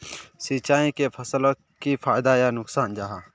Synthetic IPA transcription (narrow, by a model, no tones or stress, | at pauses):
sit͡ʃaːĩkepʰəsəl | kipʰaːɪd̪ajanʊksaːnd͡ʒaːɦaː